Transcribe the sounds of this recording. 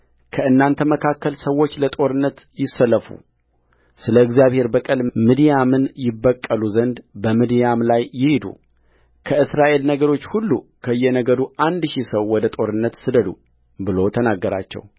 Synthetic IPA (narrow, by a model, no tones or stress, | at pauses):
kʰəɨnːant̪ʰəməkʰakːəlsəwːo̞t͡ʃːlət̪ʼo̞ɾɨnːət̪ | jɪsːələfṵ | sɨləɨɡzjaβhe̞ɾbəkʼɨlmid̪ijamɨnjɪbːəkʼːəluzənd̪bəmɨd̪ijamlajːɪhid̪ṵ | kʰəɨsɾaʔe̞lnəɡəɾo̞t͡ʃːhulːṵkʰəɨjːɛnəɡəd̪uʔand̪ʃisəwwɔd̪ət̪ʼo̞ɾɨnːət̪sɨd̪əd̪ṵ | bɨlo̞t̪ʰənaɡːəɾa̰t͡ʃːɛ̰w